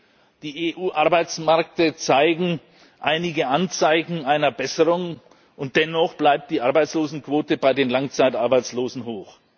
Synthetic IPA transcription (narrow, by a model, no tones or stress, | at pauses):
d̥iːeːʔuːʔaɐbaɪt͡smɛɐk̚tət͡saɪɡŋ̩ | ʔaɪnɪɡəʔant͡saɪçŋ̩aɪnɐbɛsəʁʊŋ | ʔʊnt̚d̥ɛnɔχb̥laɪp̚t̚d̥iːʔaɐbaɪt͡sloːzn̩kv̥oːtəbaɪdeːnlaŋt͡saɪtʔaɐbaɪt͡sloːzn̩ɦoːx